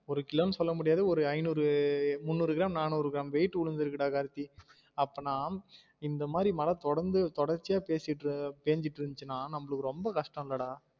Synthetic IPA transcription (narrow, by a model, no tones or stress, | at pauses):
ɔɾɯkɪloːnɯsɔlːɐmʊɽɪjaːðɯɔɾɯɐɪnuːɾɯmʊnːuːɾɯɡɪɾaːmnaːnuːɾɯɡɪɾaːmʋeːɪʈːɯʊɭɯnd̪ɯɾɯkːɪɽaːkaːɾɯt̪ːi | ɐpːɐːnaːm | ɪnd̪ɐmaːðɾimɐlɐt̪ɔɽɐɾnd̪ɯt̪ɔɽɐɾt͡ʃɪjaːpeːsɪʈːɯpeːɲd͡ʒɪʈːɯɾɯnt͡ʃːɯnːaːnɐmːɐɭɯkːɯɾɔmbɐkɐʂʈɐ̃mɪlːɐɽaː